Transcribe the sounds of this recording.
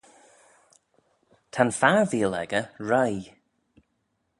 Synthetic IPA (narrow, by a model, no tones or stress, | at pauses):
tʰanfaviːəlɛ̰ɡəɹaj